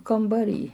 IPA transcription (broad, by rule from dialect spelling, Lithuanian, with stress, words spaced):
kɐmbɐˈrʲiː